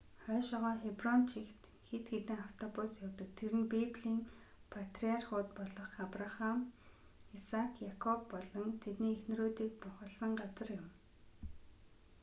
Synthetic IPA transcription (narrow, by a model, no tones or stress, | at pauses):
χœːʃɔʁɔːxeprɔnt͡ɕʰixt̪ | xet̪xet̪ɘ̆ŋaw̥t̪ʰɔpusjawt̪ə̆tt̪ʰːeɾɘ̆npepɮiːŋ | pʰat̪riarχʊːt̪pɔɮɞ̆χapraχam | isakʰjakʰɔpːɔɮɞ̆ŋt̪ʰet̪niːexn̆roːt̪iːk̚pʊχə̆ɮsə̆ŋɢat͡sə̆rjɪ̆m